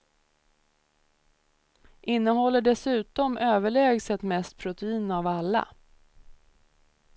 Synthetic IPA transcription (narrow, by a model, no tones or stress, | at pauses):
ʔɪnːəɦɔlːəɖɛsʉ̟ːt̪ɔmøːvəɭɛːɡsɛt̪mɛst̪̚pʰɾʊt̪ɛiːnavalːa̰